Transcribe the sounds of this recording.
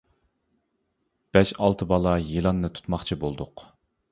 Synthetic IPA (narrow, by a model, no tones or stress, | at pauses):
b̥ɛʃɑlˠt̪ʰɨbɑlˠɑjilˠɑnːɨt̪ʰu̥t̪mɑχt͡ʃʰibolˠd̪ʊq